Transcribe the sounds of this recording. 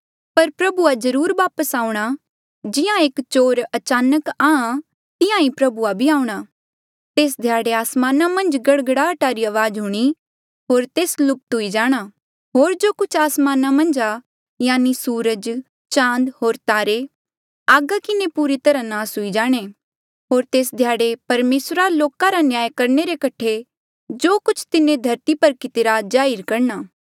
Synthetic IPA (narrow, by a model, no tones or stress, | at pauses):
pɐɾpɾɐbuad͡ʒɐɾuːɾʋaːpəsaːũɽ̃a | d͡ʒɪjãeːkt͡ʃoːɾɐt͡ʃaːnəkaːã | t̪ɪ̃jãĩpɾɐbuabʱiaːũɽ̃aː | t̪eːs̬d̪ʱjaːɽeaːsmaːnamɐ̃nd͡ʒɡɐɽɡəɽaɐʈaːɾiɐʋaːd͡ʒɦʊɽ̃i | ɦoːɾt̪eːslʊp̚t̪ɦʊid͡ʒaːɽ̃a | ɦoːɾd͡ʒoːkʊt͡ʃʰaːsmaːnamɐ̃nd͡ʒa | jaːnisuːɾəd͡ʒ | t͡ʃãːnd̪ɦoːɾt̪aːɾe | aːɡakɪnepuːɾet̪ɐɾãnaːsɦʊid͡ʒaːɽ̃e | ɦoːɾt̪eːsd̪ʱjaːɽepɐɾmeːsɾaloːkaɾanjaːjkɐɾɳeɾekɐʈʰe | d͡ʒoːkʊt͡ʃʰt̪ɪnẽd̪ʱɐɾt̪ipɐɾkɪt̪eːɾad͡ʒaːɪɾkɐɾɳ̃aː